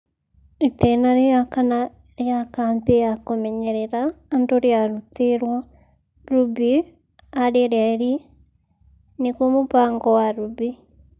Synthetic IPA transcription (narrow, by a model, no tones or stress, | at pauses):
ɾitɛnaɾejakana | ɾjakaːmpejakomɛɲɛɾɛɾaːndoɾjaɾuteɾwa | ɾubi | aɾeɾjaeɾi | nekwomopaːŋɡɔwaɾubi